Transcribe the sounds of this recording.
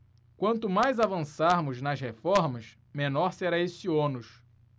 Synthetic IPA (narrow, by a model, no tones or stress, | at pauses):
kwɐ̃nt̪ʊmajzavɐ̃saɾmʊznɐʃhefɔɾmɐʃ | mẽnɔɾseɾaesionʊʃ